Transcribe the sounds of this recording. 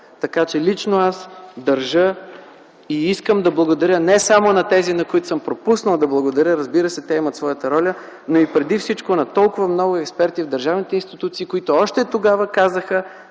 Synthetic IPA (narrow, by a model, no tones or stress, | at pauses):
t̪ɐkat͡ʃɛlit͡ʃnoasd̪ɐɾʒə | iiskəmd̪ɐblˠɐɡod̪ɐɾʲjənɛsamonɐt̪ɛzinɐkoit̪ʊ̥səmpɾopusnəlˠd̪ɐblˠɐɡod̪ɐɾʲjəɾəzbiɾəsɛt̪ɛɛmət̪svɔjət̪əɾɔlʲə | noipɾɛd̪ifsit͡ʃkonɐt̪ɔlˠkʊvəmnɔɡʊɛkspɛɾt̪ivd̪ɐɾʒavnit̪ɛinst̪it̪ut̪siːkoit̪oɔʃt̪ɛt̪oɡavəkazəxə